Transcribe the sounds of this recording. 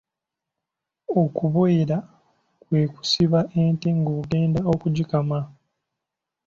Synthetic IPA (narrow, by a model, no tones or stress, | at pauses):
okuβoiɾa | kwe̞ːku̥siβaʔeːnteŋɡoɡe̞ːndao̞kuɟikama